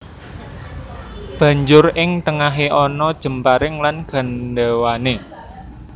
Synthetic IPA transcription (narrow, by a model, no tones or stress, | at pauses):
b̥ä̤ɲd͡ʒʊrɪŋt̪əŋaɦeʔɔnɔd̥ʒ̥ə̤mpaɾɪŋlanɡ̥a̤nɖɛwane